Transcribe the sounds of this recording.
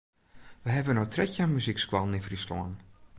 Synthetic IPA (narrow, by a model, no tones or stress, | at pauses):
ʋəɦɛvənotʰrɛkjanmyzikskwalˠnɪfrislɔ̰ən